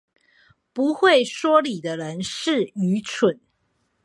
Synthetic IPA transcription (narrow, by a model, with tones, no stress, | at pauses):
pu˧˥xwe˥˨ɪʂwɔ˥li˨˩d̪ə˦ɻə˧˦nʂɻ̩˥˨y˧˥t͡sʰə˨˩˦n